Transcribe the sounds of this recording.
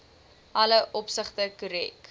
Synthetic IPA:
ʔɐləʔɔpsəχtəkuɾɛk

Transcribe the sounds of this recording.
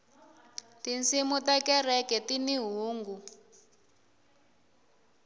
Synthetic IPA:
tinsimutakɛrɛkɛtiniɦuːŋɡu

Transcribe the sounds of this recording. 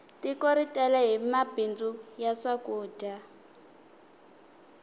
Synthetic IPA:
tikɔɾitʼɛlɛɦimabʱind͡zujasakuːdʱa

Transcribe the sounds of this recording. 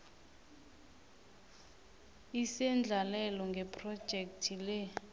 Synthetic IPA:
isɛnd͡ɮʱalɛlɔŋɡʱɛpʰʼrɔd̥ʒ̥ʱɛk̚tʰilɛ

